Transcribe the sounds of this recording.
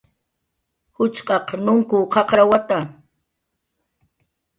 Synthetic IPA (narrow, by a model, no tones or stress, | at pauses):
hʊt͡ʃqʼɑqnʊŋkʊqɑqɾawat̪a